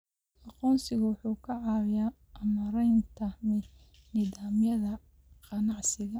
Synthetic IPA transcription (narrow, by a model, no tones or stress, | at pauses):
ʔɑqɔːnsɪɣʊwʊħuːkʰɐʕɑːwɪja | ɐmɐɾɛjnt̪ʰɐmɪ | nɪðaːmjɐðɐ | qɑnɑʕsɪɣɐ